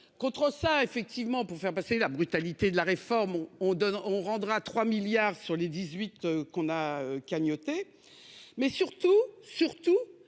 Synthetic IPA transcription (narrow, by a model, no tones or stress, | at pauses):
kɔ̃t̪χəsaefɛk̚t̪ivmɑ̃puʁfɛʁpaselabʁyt̪alit̪ed̪əlaʁefɔʁmɔ̃ɔ̃d̪ɔnɔ̃ʁɑ̃d̪ʁat̪χwamiljaːʁsyʁled̪izɥit̪økɔ̃naøkʲaɲɔt̪e | mɛsyʁt̪usyʁt̪u